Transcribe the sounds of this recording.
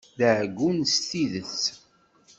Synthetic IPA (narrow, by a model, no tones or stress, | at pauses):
ðəʕɡunst̪iðəθ